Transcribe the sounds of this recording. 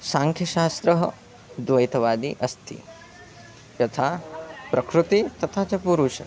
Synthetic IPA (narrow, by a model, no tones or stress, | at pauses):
saːŋkʰjɐʃaːst̪ɾɐɦɐ̰ | d̪ʋɐjt̪ɐʋaːd̪iʔɐst̪ʰḭ | jɐt̪ʰaːpɾɐkɾut̪it̪ɐt̪ʰaːt͡ʃɐpuɾuːʃɐ̰